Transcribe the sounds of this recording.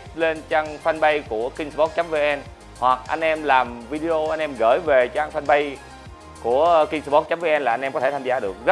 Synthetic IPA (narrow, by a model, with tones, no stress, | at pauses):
le˧nt͡ɕaː˧ŋfa˧nɓə˧jku˧˩əkï˧ŋsɓɔ˦˥t̚t͡ɕa˦˥mve˧˩ʔɛ˧n | hwa˨˩k̚ʔa̰˧jŋ̟ʔɛ˧mlaː˨˩mvi˧ɗi˧ʔo˧ʔa˧jŋ̟ʔɛ˧mɣə̰ː˧˩jve˨˩t͡ɕaː˧ŋfa˧nɓə˧j | ku˧˩əki˧ŋsɓɔ˦˥t̚t͡ɕa˦mve˧ʔɛ˧nlaː˨˩ʔa˧jnʔkɔ˨˦t̪ʰe˧˩t̪ʰa˧zaː˧˩˦ɗɨ˨˩ək̚zə˦˥